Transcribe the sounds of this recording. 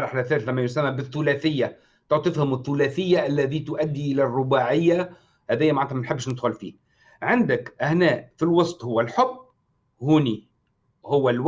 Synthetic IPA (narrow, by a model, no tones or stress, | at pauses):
ɾˤɑħlæθæːɾθlæmːæjʊsæmːæbɪθːʊlæːθɪjːa | t̪ʊʕt̪ˤɨfhʊmɪθːʊlæθɪjːaʔælːæðit̪ʊʔæd̪ːiʔɪlærˤːʊbaːʕɪjːa | hæːðɪjːamaʕant̪mænħɪbːɪʃnɪd̪xʊlfḭː | ʕɪnd̪ɪkʔɪhnæːʔfilwɑsˤt̪ˤhʊwːælħʊbː | huːni | hʊwːælw